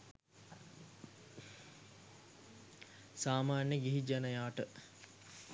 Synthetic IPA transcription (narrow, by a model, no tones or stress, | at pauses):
saːmaːnjəɡiɦid͡ʒanəjaːʈə